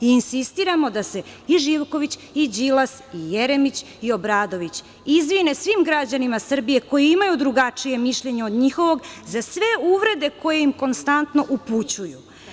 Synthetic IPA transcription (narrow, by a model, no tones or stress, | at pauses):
iinsist̪iɾamo̞d̪ase̞iʒiʋko̞ʋit͡ɕid͡ʑilasijeɾe̞mit͡ɕ | io̞bɾaːd̪o̞ʋit͡ɕ | izʋine̞sʋimɡɾad͡ʑanimasr̩bije̞ko̞jiimajud̪ɾuɡat͡ʂije̞miʃʎe̞ɲe̞o̞d̪ɲixo̞ʋo̞ɡzasʋe̞uʋɾe̞d̪e̞ko̞je̞imko̞nst̪ant̪no̞ʔuput͡ɕuju